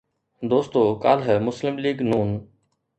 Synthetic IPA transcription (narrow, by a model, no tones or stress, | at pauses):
d̪oːst̪oːka̰ːlɦəmʊslɪmliːɡnuːn